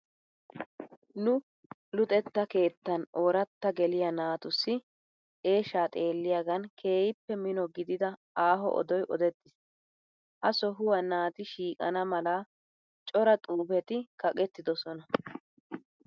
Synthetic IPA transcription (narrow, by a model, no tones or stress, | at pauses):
nʊ | lʊt̪ʼɛt̪ːɐke̞ːt̪ːɐnoːɾɐt̪ːɐɡɛlɪjɐnaːt̪ʊsːɪ | ʔe̞ːʃaːt̪ʼe̞ːlːɪjaɡɐnkʰe̞ːjɪpːɛmɪnɔɡɪd̪ɪd̪ɐ | aːɦɔ̰ʔɔ̰d̪ɔjʔɔd̪ɛt̪ːɪs | ʔɐsɔɦʊwɐnaːt̪ɪʃiːkʼɐ̰nɐmɐlaː | t͡ʃʼɔɾɐt̪ʼuːbɛt̪ɪkɐkʼɛt̪ːɪd̪ɔsɔnɐ